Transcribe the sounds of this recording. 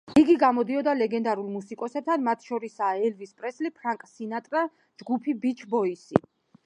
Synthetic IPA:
iɡiɡamɔd̪iɔd̪alɛɡɛnd̪aɾulˠmusikʼɔsɛb̚t̪ʰanmat̪ʰʃɔɾisaːɛlvispʼɾɛslipʰɾaŋkʼsinat̪ʼɾa | d͡ʒɡupʰibit͡ʃʰbɔisḭ

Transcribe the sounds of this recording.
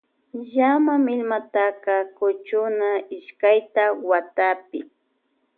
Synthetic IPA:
ʎamamɪlmat̪akɑkʊt͡ʃʊnaɪʃkajt̪awat̪apɪ

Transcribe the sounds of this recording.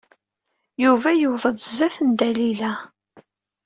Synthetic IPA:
juvæjəwðˤədzæθənd̪ælilæ

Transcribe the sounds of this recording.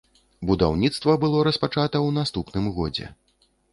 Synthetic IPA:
bud̪a̰wnʲit̪st̪vɐbɨlˠɔɾɐspat͡ʂat̪ɐwnast̪upnɨmɣɔd͡zʲɛ̰

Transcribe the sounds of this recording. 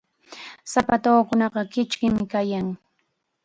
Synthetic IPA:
sapat̪oːkʊnɑqɑkɪt͡ʃkɪmɪkajaŋ

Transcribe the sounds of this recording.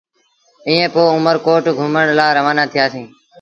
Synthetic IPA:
ĩːẽːpoːʊməɾkoːʈɡʱʊməɳ̃laːɾəʋaːnãːt̪ʰɪjaːsĩː

